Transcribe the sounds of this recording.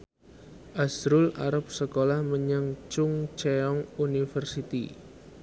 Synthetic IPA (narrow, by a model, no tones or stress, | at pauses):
ʔasɾʊlaɾəp̚səkolahməɲaŋt͡ʃʊŋt͡ʃeɔŋunifərsit̪ḭ